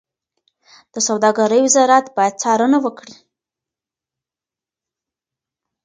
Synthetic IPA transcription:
d̪̥əsawd̪ɑɡaɾəjwɪzɑɾat̪bɑjad̪̚t͡sɑɾənawəkɽi

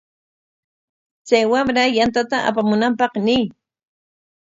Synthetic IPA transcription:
t͡sajwamɾajant̪̬at̪aʔa̰pamʊnampɑqnɪː

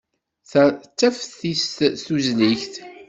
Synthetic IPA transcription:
θt͡sːæfθθisst̪uzniçθ

